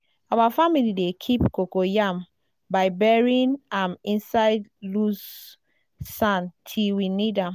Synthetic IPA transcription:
awafamilidekʰipkokojam | baɪbɛɹĩnãmĩnsaɪdlusː | ãntʰiwinidãm

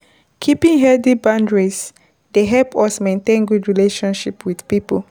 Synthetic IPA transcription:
kʰipĩŋɦɛdibãndɹis | deɦɛlpʰɔsmẽntẽnɡudɹileʃɔ̃nʃipwid̥pipo

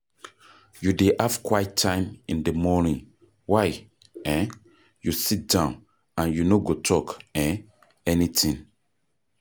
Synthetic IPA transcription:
judeʔafkwaɪtʰːãɪ̃mĩndəmɔnĩŋ | waɪ | ɛ̃ | jusit̚d̥ãʊ̃n | ãnjunoɡotʰɔkɛ̃ | ɛnitĩŋ

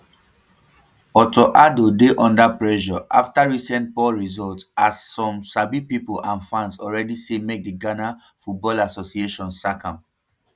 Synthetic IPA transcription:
ɔtoʔadodeʔɔ̃ndapɹɛʃɔʔaftaɹisɛ̃nt̚pɔɹizɔltasːɔ̃msabipipolãnfãnsɔlɹɛdisemek̚diɡana | fut̚bɔlasosieʃɔ̃nsakʰãm

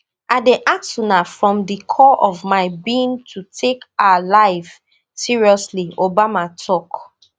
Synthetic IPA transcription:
adeʔaksunafɹɔ̃mdikʰɔʔɔvmaɪbĩntʰutʰekaalaɪv | siɹiɔsliobamatʰɔk

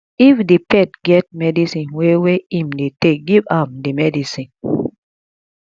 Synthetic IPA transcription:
ifdipɛtɡɛt̚mɛdisĩnweweĩmdetek̚ɡivãmdimɛdisĩn

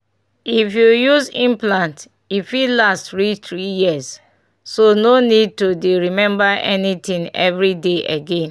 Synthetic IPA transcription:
ifjujuzĩmplãnt | ifilastɹit̪ɹijiəz | sononid̚tudeɹimɛ̃mbaʔɛ̰nit̪ĩŋɛ̰vɹideʔeɡẽn

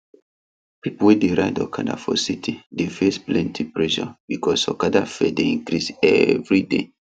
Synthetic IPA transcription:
pipowideɹaɪdɔkʰada̰fɔsitʰidefesplɛ̃ntʰipɹɛʃɔ̰bikɔsɔkadafɛdeĩŋkɾisɛ̰vɹidḛ

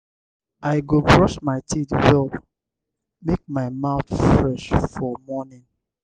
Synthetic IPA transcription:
aɪɡobɹɔʃmaɪtʰitwɔ | mek̚maɪmaʊtfɹɛʃfɔmɔnĩn

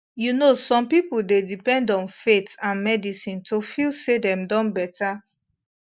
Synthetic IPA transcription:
junosɔ̃mpipuldedipɛ̃ndɔ̃nfetãnmɛdisĩntʰofilsedɛ̃mdɔ̃nbɛtʰa

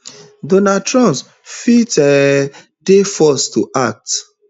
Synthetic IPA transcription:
donatɹɔ̃ns | fitɛ | defɔstuʔak̚t

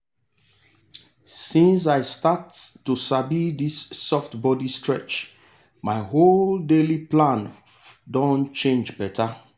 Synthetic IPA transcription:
sĩns̬aɪstatːusabidisːɔftbɔdistɹɛ̰t͡ʃ | maɪɦoldeliplãn | dɔ̃nt͡ʃẽnd͡ʒbɛtʰa

